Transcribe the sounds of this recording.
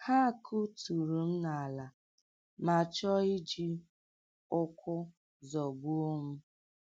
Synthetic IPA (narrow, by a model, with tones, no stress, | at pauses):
ha˦˨kʰu˦tu˨ɾu˨m̩˦na˨a˨la˨ | ma˨t͡ʃɔ˦i˦d͡ʒi˦ | ʊ˦kʊ˦ | zɔ˨ɡ͡bu˦o˦mu˦